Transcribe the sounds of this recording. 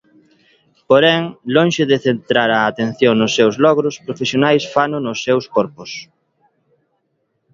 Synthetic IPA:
poɾɛŋlõŋʃeðeθent̪ɾaɾaːt̪enθjoŋnʊsːewzlɔɣɾʊspɾofesjonajsfanʊnʊsːewskɔɾpʊs

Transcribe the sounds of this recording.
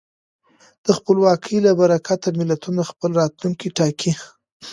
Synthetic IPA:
d̪̥əxpəlwɑkʰəjlabaɾakʰat̪amɪlat̪unaxpəlɾɑt̪luŋkiʈɑkʰi

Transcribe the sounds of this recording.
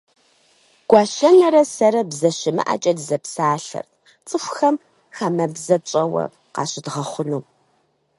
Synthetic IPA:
ɡ̥ʷɑːʃɐŋɐɾɐsɐɾɐbzɐɕɪmɨ̰ʔɐ̰t͡ʃʼɐdzɐpsaːɬɐ̰rʰ | t͡sʼɨxʷxɐm | xamɐbzɐt͡ʃʼɐwɐ̰ | qɑ̰ːɕɪdʁɐχʷʊnuː

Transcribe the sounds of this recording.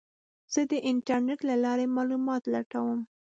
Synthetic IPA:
z̥əd̪əʔɪnʈaɾneʈlalɑɾemɑlumɑt̪laʈawəm

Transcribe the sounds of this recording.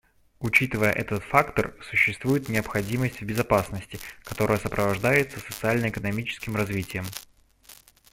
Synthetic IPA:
ʊt͡ɕit̪ɨvəjə̰ʔɛt̪ət̪fakt̪ərsʊɕːɪst̪vujɪt̪nʲɪɐpxɐdʲiməsʲtʲvbʲɪzɐpasnəsʲtʲɪkɐt̪o̞ɾəjəsəpɾəvɐʐd̪ajɪt̪səsə̥t̪sɨalʲnəɪkənɐmʲit͡ɕɪ̥skʲɪmrɐzvʲitʲɪjəm

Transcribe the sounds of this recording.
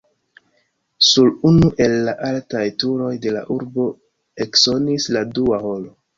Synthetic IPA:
sulunuʔe̞lːaʔaltajtuɾo̞jde̞la̰ʔuɾbo̞ | ekso̞nisladuaho̞lo̞

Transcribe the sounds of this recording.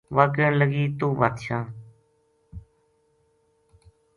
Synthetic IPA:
ʋaːkəɳləɡiːt̪uːʋaːt̪ʃãː

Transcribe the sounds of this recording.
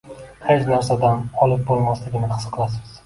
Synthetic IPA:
het͡ʃnaɾsad̪anɒlˠɪp̚bolˠmaslɪɡʲɪnɪχɨ̥sqʰɨlˠas̬ɪz̥

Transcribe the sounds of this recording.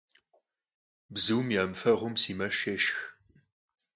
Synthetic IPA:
bzɨwmjamfɐʁʷʊmsiːmɐʃeːʃx

